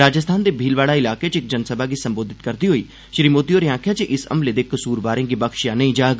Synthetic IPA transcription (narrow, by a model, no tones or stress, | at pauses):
ɾaːd͡ʒəst̪ʰaːnd̪eːbʱiːlʋaːlaɪlaːket͡ʃɪk̚d͡ʒənsəbaɡisə̃mboːd̪ʱɪt̪kɐɾd̪iɦoiː | ʃɾimoːd̪ijoːɾeãːkʰjat͡ʃəʔɪsɐ̰mled̪eːkəsuːɾbaːɾẽɡibɐkʃjanɐĩd͡ʒaːɡ